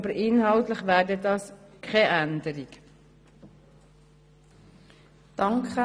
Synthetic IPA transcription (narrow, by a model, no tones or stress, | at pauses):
bəɾʔɪnhɑlt̪ləχʋæːɾdədɑːskʰχɛʔænd̪əɾik | d̪̥ɑŋkχə